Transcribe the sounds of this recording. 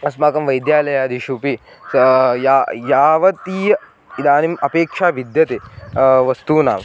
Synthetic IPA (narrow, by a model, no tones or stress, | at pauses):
ɐsmaːkɐmʋɐjd̪jaːlɐjaːd̪iʃupi | jaːjaːʋɐt̪iːjɐ | id̪aːnimɐpeːkʂaːʋid̪jɐt̪eʋɐst̪uːna̰ːm